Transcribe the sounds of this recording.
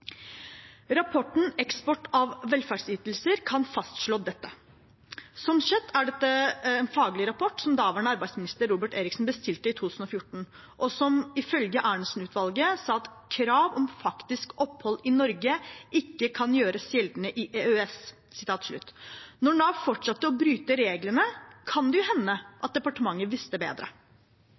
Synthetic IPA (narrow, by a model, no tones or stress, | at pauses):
ɾɑpʰɔʈɳ̩ɛkspɔʈɑʋːɛlfæɖsyːt̪əl̩səɾkʰɑnfɑst̪ʂɭoːd̪ɛt̪ːə | sɔmsɛt̪ːæɖɛt̪ːəɛːnfɑːɡlɪɾɑpʰɔʈsɔmd̪ɑːʋəɳəɑɾbæɪsmɪnɪst̪əɾːuːbəʈeːɾɪksn̩bəst̪ɪlt̪əɪt̪ʰuːt̪ʰʉːsn̩ɔfjʊʈɳ̩ | ʔɔsɔmɪfœlɡəʔæːɳəsn̩ʉːt̪ʰʋɑlɡəsɑːɑt̪kʰɾɑːʋɔmfɑkt̪ɪskɔphɔlːɪnɔɾɡəʔɪkːəkʰɑnjøːɾəsjɛld̪nəʔɪʔeːøɛs | sɪ̥t̪ʰɑːt̪ʂɭʉ̰t̪ːnɔɳɑːʋfɔʈʂɑt̪ːəɔbɾyːt̪əɾeːɡlənəkʰɑnd̪ɛjʊhɛnːəʔɑt̪̚d̪ɛpɑʈəmɑŋːəʋɪst̪əbḛːd̪ɾə̰